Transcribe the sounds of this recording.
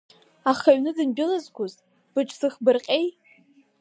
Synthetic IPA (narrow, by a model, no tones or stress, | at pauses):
aχaɥnɨdɨnbɪlazɡʷʊz | b̥ɨʈ͡ʂʼsɨχbɨrqʲʼej